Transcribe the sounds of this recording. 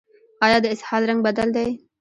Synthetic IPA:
ɑːjɑd̪əɪshɑd̪ɾaŋɡ̚bad̪ald̪aj

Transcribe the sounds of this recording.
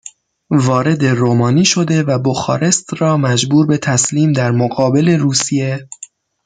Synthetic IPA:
vɒːɾe̞d̪e̞ɾoːmɒːniːʃo̞d̪e̞væboxɒ̰ːɾe̞st̪rɒːmæd͡ʒbuːɾbe̞t̪ʰæsliːmd̪æɾmoɣɒːbe̞le̞ɾuːsije̞

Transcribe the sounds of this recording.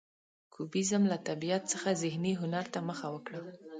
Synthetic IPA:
kʰubizəmlat̪abijat̪̚t͡səxazɪhniɦʊnaɾt̪aməxawəkɽə

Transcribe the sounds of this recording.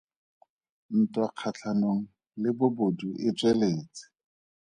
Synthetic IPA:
n̩tʼwaq͡χʰat͡ɬʰanoŋ̩ | lɪbʊboduʔɪt͡sʼweleːt͡sʼɪ̥

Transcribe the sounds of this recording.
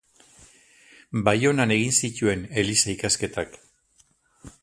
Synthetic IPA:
bajo̞nane̞ɣ̞insit̪ue̞ne̞lisaikaske̞t̪ak

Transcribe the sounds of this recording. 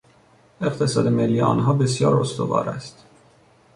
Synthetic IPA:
e̞qt̪ʰe̞sɒːd̪emelːiʔɒ̰ːnɦɒːbesjɒːɾost̪o̰vɒ̰ːɾæ̰st̪

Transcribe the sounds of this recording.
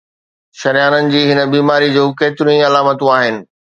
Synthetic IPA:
ʃɐɾijaːnənɪ̆d͡ʑiːɦɪnəbiːmaːɾid͡ʑoːkeːt̪ɪɾũĩɐlaːmət̪ũaːɦɪnɪ̆

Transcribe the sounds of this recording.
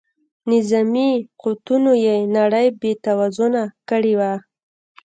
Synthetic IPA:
nɪzamiqot̪unojenaɽəjbet̪awazonakəɽewa

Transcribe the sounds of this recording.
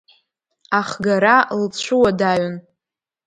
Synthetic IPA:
aχɡaɾalt͡ɕʷʰʊwadaɥn

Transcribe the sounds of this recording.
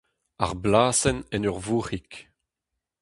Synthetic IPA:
a̰ʁblaːsɛnɛnœʁvuːʁik

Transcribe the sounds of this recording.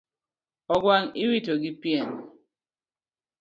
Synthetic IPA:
ɔɡwaŋiwitoɡipjɛn

